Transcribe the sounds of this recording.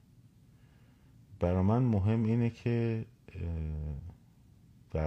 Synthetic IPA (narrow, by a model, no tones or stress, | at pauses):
b̥æɾɒːmænmoɦe̞mːiːnecʰe | væ